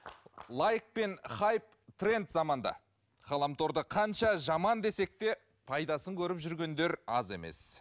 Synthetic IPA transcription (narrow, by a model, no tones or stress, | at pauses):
lˠajk̚pe̞nχɑjp̚t̪ʰre̞nt̪zɑmɑnd̪ɑ̰ | χɑlˠɑmt̪o̞ɾd̪əqʰɑnʃɑʒɑmɑnd̪e̞se̞k̚t̪e̞ | pʰɑjd̪ɑsəŋkʲʰɵɾɪpʒʏɾɡʲe̞nd̪e̞ɾɑze̞̰me̞̰s